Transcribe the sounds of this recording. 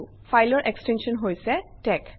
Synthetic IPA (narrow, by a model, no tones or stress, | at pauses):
fʰajlɔɹʔekstensɔnɦojsɛtɛk